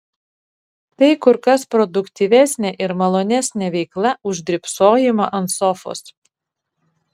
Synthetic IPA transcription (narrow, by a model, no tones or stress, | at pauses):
t̪ɐɪkʊɾkɐspɾɔd̪ʊkt̪ʲiːʋʲɛsʲnʲeʔɪɾmɐlˠoːnʲɛsʲnʲeʋʲɛɪklˠɐʊʒʲd̪ʲɾʲɪpsoːjɪmoʔɐnsɔfo̰ːs